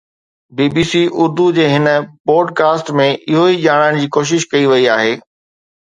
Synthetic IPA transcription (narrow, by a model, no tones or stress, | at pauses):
biːbiːsiːʔʊɾd̪ud͡ʑeːɦɪnə̆poːɖkaːsʈmẽʔɪɦoiʄaːɽ̃aːɪɽ̃d͡ʑiːkoːʃ̬ɪʃkɐiʋɐiaːɦeː